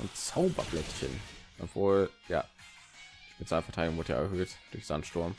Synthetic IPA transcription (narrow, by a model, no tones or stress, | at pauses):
ʔʊ̰ntt͡saʊbɐ̰blɛtçə̰nʔɔpv̥oːlja̰ː | mɪtz̥aɪnɐfɛɐtʰaɪdɡʊŋvoʊɐtəja̰ːʔɛɐɦøːtd̥ʊçz̥antʃtʊɐm